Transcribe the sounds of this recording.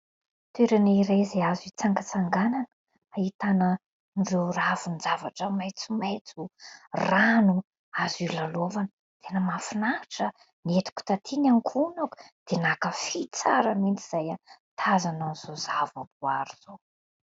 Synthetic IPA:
t̪ʰeɾaniɾezeazit͡saŋɡət͡saŋɡanan | ait̪anə | nɖ͡ʐeravunzavaʈ͡ʂəmajt͡sumajt͡suranu | azilalovanə | t̪ʰenəmafunaʈ͡ʂə | niet̪i̥ku̥t̪at̪ʰinaŋkʰunaku̥d̪̥enakəfit͡sa̰ɾamint͡siz̥ajat̪ʰazananz̥ozavapuaɾiz̥o

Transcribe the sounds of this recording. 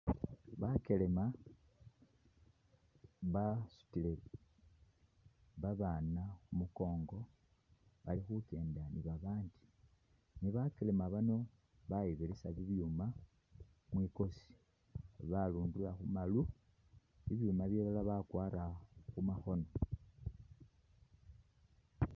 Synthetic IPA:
βake̞le̞ma | βasu̥tile | βaβanaxumuko̞ːŋɡo̞ | βalixuke̞ːndaniβaβaːndi | niβake̞le̞maβano̞ | βaiβilisaβiβjuma | mwiko̞si̥ | βaluːndulaxumalu | βiβjumaβjeβalaβakwaːɾaxumaxo̞no̞

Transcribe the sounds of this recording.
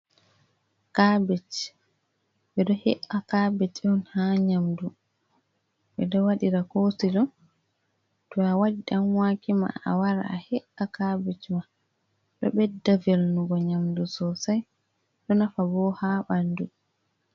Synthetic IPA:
kabɛt͡ʃ | ɓɛɗɔhɛʔakabɛt͡ʃɔnhaɲamdu | ɓɛdɔwaɗiɾakosid͡ʒɔn | tɔawaɗiɗamwaːkima̰a̰waɾa̰ahɛʔakabɛt͡ʃma | ɗɔɓɛdavelnuɡɔɲamdusɔsaj | ɗɔnafabɔhaɓandu

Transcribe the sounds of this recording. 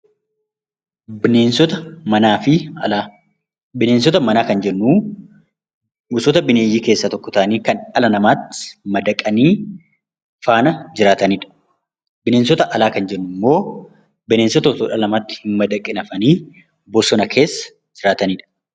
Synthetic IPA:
eːnsɔt̪ɐmɐnaːfɪ | bɪne̞ːns̬ɔt̪ɐmɐnaːkɐnd͡ʒɛnːuː | ʊsɔt̪ɐbɪneːjiːke̞ːsːɐt̪ɔkːɔt̪aːniːkɐnᶑɐlɐnɐmaːt̪ːɪ̥mɐd̪ɐkʼːɐniː | faːnɐd͡ʒɪɾaːt̪ɐniːᶑɐ̥ | bɪneːnsɔt̪ɐʔɐlaːkɐnd͡ʒɛnːʊmːo̞ː | bɪne̞ːnsɔt̪ɔt̪oːᶑɐlɐmaːt̪ːɪ̥hɪmmɐd̪ɐkʼːɪnɐfɐniː | bɔsɔnɐkʰe̞ːsːɐ̥ | d͡ʒɪɾaːt̪ɐniːᶑɐ̥

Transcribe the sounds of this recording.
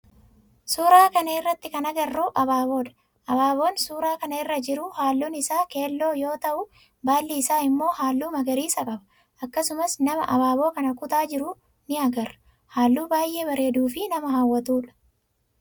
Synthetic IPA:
suːɾaːkɐnɐɪrːɐt̪ːɪkɐnɐɡɐrːuːʔɐbaːbo̞ːᶑɐ̥ | ʔɐbaːbo̞ːnsuːɾaːkɐnɐɪrːɐd͡ʒɪɾʊhaːlːuːnɪsaːkeːlːo̞ːjo̞ːt̪ɐʔʊ | baːlːiːsaːɪmːo̞ːhaːlːuːmɐɡɐɾiːsɐkʼɐbɐ̥ | ʔɐkːɐsʊmɐsnɐmɐ̰ʔɐbaːbo̞ːkɐnɐkʊt̪aːd͡ʒɪɾʊ | nɪɐɡɐr | haːlːuːbaːjʔe̞ːbɐɾe̞ːd̪uːfɪnɐmɐhawːɐt̪uːᶑɐ̥

